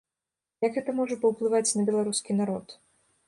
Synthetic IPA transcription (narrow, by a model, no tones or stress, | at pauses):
jɐkɣɛt̪ɐmɔʐɐpɐwplˠɨvat͡sʲnɐbʲɛlˠaɾuskʲinaɾɔt̪